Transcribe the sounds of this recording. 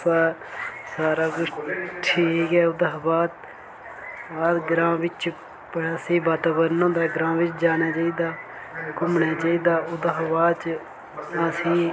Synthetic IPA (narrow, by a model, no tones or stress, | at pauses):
saːsaːɾaːɡʊʈʰiːkɦɛːʊd̪aːbaːt̪̚ | baːd̪ɡɾãːʋɪt͡ʃ | pəɽaːsĩːbaːt̪aːbəɾnãːd̪aːɡɾãːʋɪt͡ʃd͡ʒaːnaːt͡ʃaːiːd̪aː | kʊmɳaːt͡ʃaːiːd̪aːʊd̪aːbaːd̪t͡ʃ | əsĩː